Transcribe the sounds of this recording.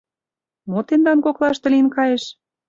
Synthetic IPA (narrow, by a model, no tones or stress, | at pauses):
mot̪end̪ɑnkoklɑʃt̪ə̆linkɑjeʃ